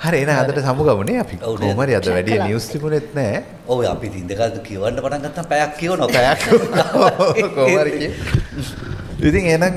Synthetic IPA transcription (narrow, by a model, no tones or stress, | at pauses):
haɾieːnɐŋɐd̪əʈəsamuɡamuneapikomaɾiɐd̪əʋæɖijɐniust̪ipunet̪nɛː | oːa̰pit̪ind̪ekaːlt̪ukiuʋaɳɖəpaʈaŋkɐt̪ːampɛjakːionopɛjakːookoaɾiii | it̪iŋeːnɐŋ